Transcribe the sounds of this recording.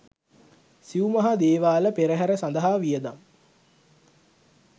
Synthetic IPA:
siumɐɦad̪eːʋaːləpeɾəɦæɾəsand̪əɦaʋijəd̪am

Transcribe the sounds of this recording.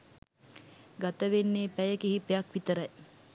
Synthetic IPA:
ɡat̪əʋenːeːpæjəkiɦipeɐkʋit̪əɾɐj

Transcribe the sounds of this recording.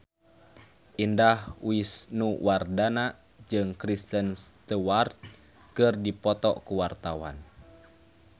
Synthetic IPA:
ʔindahwisnuwardana | d͡ʒɨŋkɾist̪ənst̪uwart̪̚ | kɨrdipɔt̪ɔ̰kuwart̪awa̰n

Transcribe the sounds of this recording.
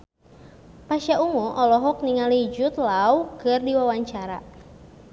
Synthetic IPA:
paʃauŋɔʔɔlɔɦɔk̚niŋalid͡ʒʊt̪lawkɨrdiwawaɲt͡ʃaɾa̰

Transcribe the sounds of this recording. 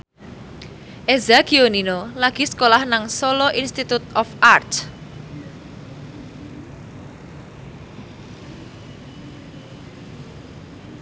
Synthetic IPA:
ʔezaɡ̥ioninolaɡ̥i̤skolahnaŋsɔlɔʔinst̪it̪ut̪ɔfart̪

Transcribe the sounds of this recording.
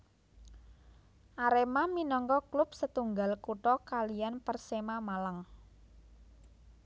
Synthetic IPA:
ʔaɾemaminɔŋkɔklʊp̚sət̪uŋɡalkuʈɔkalijanpərsemamalaŋ

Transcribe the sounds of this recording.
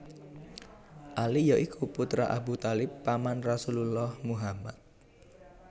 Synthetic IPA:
ʔalijɔʔikʰuput̪ɾa̰ʔabut̪alɪpːamanrasululɔhmuɦama̰t̪̚

